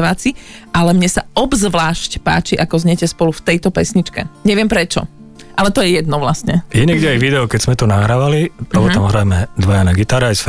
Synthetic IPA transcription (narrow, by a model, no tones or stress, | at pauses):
ʋaːt͡siʔalɛmɲɛsaɔbzʋlaːʃcpa̰ːt͡ʃiʔakɔzɲɛcɛspɔluft̪ɛjt̪ɔpɛsɲit͡ʃkɛ̰ɲɛʋɪɛmpɾɛt͡ʃɔ̰ | ʔalɛt̪ɔjɛjɛd̪̚nɔʋlastɲɛjɛɲɛɡɟɛajʋid̪ɛɔkɛz̥mɛt̪ɔnaɦɾaʋaliɔʋɔamɦɾajmɛd̪ʋajanɛɡit̪aːɾaajsf